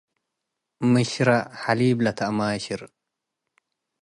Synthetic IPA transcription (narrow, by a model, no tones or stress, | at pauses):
mɨɕɾaħaliːblɐt̪ʰamaːɕiɾ